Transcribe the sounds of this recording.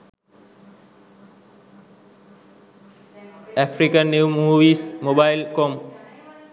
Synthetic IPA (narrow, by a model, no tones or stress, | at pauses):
ɛfʰɾikanːewmuʋismobajlkɔm